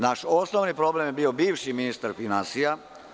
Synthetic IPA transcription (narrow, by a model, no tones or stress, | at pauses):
naʃo̞snoʋnipɾo̞blemjebiːo̞biːʋʃiminist̪aɾfinansija